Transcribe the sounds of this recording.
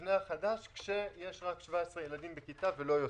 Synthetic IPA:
neaχadaʃkʃe̞je̞ʃʁakʃvaesʁejelad̪imbekit̪avelo̞jo

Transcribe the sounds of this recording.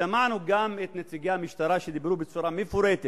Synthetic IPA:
amaʕnuɡamet̪net͡siɡamiʃt̪aɾaʃed̪ibɾubet͡suɾamefuɾet̪e

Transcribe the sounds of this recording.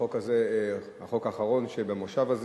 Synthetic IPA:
okazehaχo̞kaːχaʁo̞nʃebemoʃavaz

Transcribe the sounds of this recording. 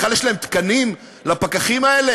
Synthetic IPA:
aljeʃlaemt̪kanim | lapakaχimaele

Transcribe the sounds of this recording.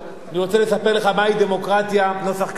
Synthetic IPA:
aniʁot͡selesape̞ʁleχamaid̪e̞mo̞kʁat̪jano̞saχk

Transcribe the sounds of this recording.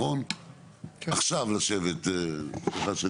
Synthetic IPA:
on | aχʃavlaʃevet̪ | χase

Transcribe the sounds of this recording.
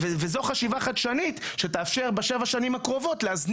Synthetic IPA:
vezo̞χaʃivaχadʃanitʃeteːfʃeʁbeʃe̞vaʃanimhakʁo̞vo̞tleazn

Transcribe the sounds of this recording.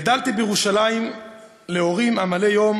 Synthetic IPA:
d̪alt̪ibejeʁuʃalajim | leo̞ʁimamale̞jo̞m

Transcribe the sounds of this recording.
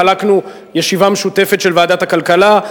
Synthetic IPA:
alaknu | jeʃivameʃute̞fe̞tʃe̞lvaːd̪at̪hakalkala

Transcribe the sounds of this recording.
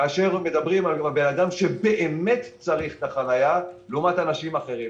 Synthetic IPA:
aaʃe̞ʁme̞d̪abʁimalalbe̞nad̪amʃe̞be̞ʔeme̞tt͡saʁiχt̪aχanajaleumatanaʃimaχe̞ʁim

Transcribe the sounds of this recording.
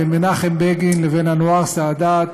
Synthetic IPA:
emenaχembeɡinlevenhanoaʁsaːd̪at̪

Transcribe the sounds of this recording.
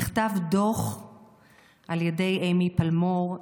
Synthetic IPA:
χtavdoχ | ʔaljede̞jʔejmipalmo

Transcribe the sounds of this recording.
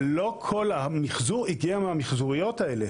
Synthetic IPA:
lo̞kʰo̞lamiχzuʁiɡiameamiχzuʁijo̞taele

